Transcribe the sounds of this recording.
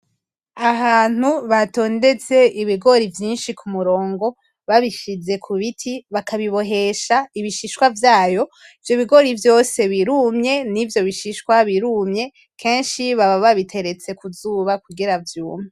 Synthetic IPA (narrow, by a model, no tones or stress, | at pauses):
ahaːn̥uβato̞ːnde̞t͡se̞iβiɡo̞ɾivjiːnʃikʰumuɾo̞ːŋɡo̞ | βaβiʃize̞kʰuβitʰiβakʰaβiβo̞ɦe̞ʃaiβiʃiʃkwavjaːjo̞ | ivjo̞βiɡo̞ɾivjo̞se̞βiɾumɲe̞nivjo̞βiʃiʃkwaβiɾumɲe̞ | kʰe̞ːnʃiβaβaβaβitʰe̞ɾe̞t͡se̞kuzuβakuɡiɾavjuːmɲe